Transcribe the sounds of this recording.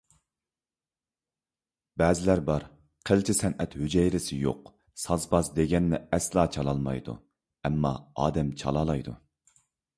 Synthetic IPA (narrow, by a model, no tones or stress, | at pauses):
bɛːzɪlæɾbɑɾ | qʰəlt͡ʃʰisɛnʔɛt̪hød͡ʒɛjɾɪsɪjo̰q | sɑzbɑzd̪eɡʲɛnːɪɛslˠɑːt͡ʃʰɑlˠɑlˠmɑ̰jd̪ṵ | ɛmːɑ̰ɑ̰ːd̪ɛmt͡ʃʰɑ̰lˠɑlˠɑjd̪ṵ